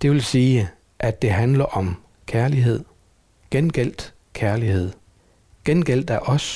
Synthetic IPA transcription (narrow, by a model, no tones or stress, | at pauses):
d̥e̝ʋe̝lsiː | ʔæd̥ːe̝ɦænlɐʔɒ̽m | kʰæɐliɦe̝ð̰ˠ | ɡ̥enɡ̥el̰d̥ | kʰæɐlihe̝ð̰ˠ | ɡ̥enɡ̥el̰d̥æɐʔɒ̽s